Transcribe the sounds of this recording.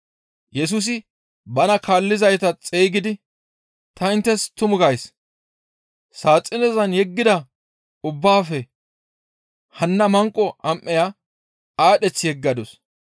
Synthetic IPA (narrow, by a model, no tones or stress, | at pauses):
jɛs̬ʊs̬ɪ | bɐnɐkaːlːɪzɐjt̪ɐt͡sʼeːɡɪd̪ɪ | t̪ɐɪnt̪ːɛst̪ʊmʊɡɐjs | saːt͡sʼːɪnɛzɐnjɛɡːɪd̪ɐ | ʊbːaːfɛ | hɐnːɐmɐŋkʼːɔʔɐmʔːɛja | aːɗɛt͡sːɪjɛɡːɐd̪ɔs